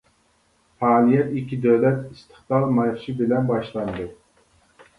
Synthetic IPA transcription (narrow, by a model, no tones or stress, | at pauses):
fɑːlˠijɛt̪ikʲːid̪øwlɛt̪ist̪ʰɨχt̪ɑlˠmɑχʃibɪlɛnbɑʃlˠɑnd̪ɨ